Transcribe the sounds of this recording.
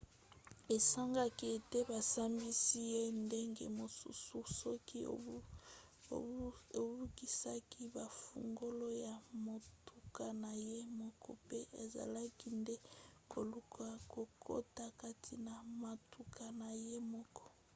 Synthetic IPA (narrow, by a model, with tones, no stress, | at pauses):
be˨sa˦ŋɡa˦ki˦e˨te˦ba˨sa˦mbi˦si˦je˦nde˦ŋɡḛ˨mo˨sṵ˦su˦sɔ˦ki˦˨ | o˨bu˦ki˦sa˦ki˦ba˨fṵ˨ŋɡo˦lo˦ja˨mo˨tu˨ka˨na˨je˦mɔ˦kɔ̰˦pe˦ʔe˨za̰˨la˦ki˦nde˦ko˨lu˦kʰa˨ko˨kʰo̰˦ta˨ka˦tʰi˨na˨ma˨tu˨kʰa˨na˨je˦mɔ˦kɔ̥˦